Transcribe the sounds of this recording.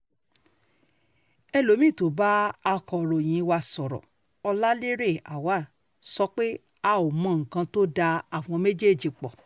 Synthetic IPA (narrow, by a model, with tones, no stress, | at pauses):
ɛ˧lo˨˦mĩ˦˨to˨˦ba˦a˧kɔ˨ɾo˨j̃ĩ˨˧˦wa˧sɔ˨ɾɔ̰˨ | ɔ˧la˦le˦ɾe˦˨a̰˨wa˨˦˨ | sɔ˧˦k͡pe˦ | a˧o˨mɔ̃˨˧˨ŋ̩˨kã˧to˦da˧a˨w̃ɔ̃˧me˦d͡ʒe˦˨d͡ʒi˨k͡pɔ̰˨